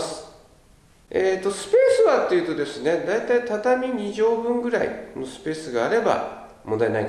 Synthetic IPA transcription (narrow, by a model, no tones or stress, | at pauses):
sɨ̥ | eːt̪ːosɨ̥pe̞ːsɨβat̪ːe̞jiɯ̟ːt̪od̪e̞sɨne̞d̪ait̪ait̪at̪amʲiɲ̟iʑo̞ːbɯ̟̃ŋɡɯ̟ɾa̰ḭnosɨ̥pe̞ːsɨɡaːɾe̞ba̰ | mond̪aenai